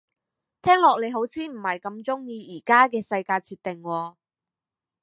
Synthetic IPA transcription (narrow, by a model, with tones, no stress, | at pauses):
t̪ʰɛː˥ŋlɔː˨k̚le˨˧jɦo˨˥wt͡sʰiː˥m̩˨˩hɐ˨jkɐ˧mt͡sʊ˥ŋjiː˧iː˨˩kaː˥kɛː˧sɐ˧jkaː˧jt͡sʰiː˧t̪̚ɪ˨˩ŋwɔː˧